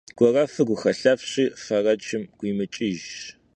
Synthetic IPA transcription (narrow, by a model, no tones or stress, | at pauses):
ɡ̥ʷɔrɐfɨɡʷʊxɐɬɐfɕiːfɐrɐt͡ʃʰʼɪmɡʷiːmɨt͡ʃʼiʒ